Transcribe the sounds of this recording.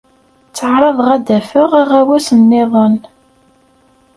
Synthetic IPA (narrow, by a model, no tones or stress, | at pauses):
t͡sːəʕɾˤɑðˤʁæd̪æfəʁaʁæwæsənːɪðˤən